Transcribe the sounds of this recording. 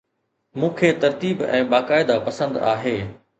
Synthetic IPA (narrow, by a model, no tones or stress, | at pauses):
mũːkʰeːt̪ɐɾt̪iːbɛ̰̃ːɓaːkaːɪd̪apɐsə̃nd̪aːɦeː